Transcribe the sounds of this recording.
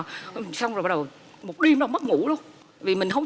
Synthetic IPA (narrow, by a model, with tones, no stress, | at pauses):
sa˧wŋ͡mzo˨˩ɓa˧˦ɗə˨˩w | mo˨˩t̚ɗi˧əmɗɔ˨˧˩mə˦˥t̚ŋṵ˧˥lu˧əmt̪aaː˧˨˦vi˨˩mï˨˩ŋ̟hə˧wŋ͡m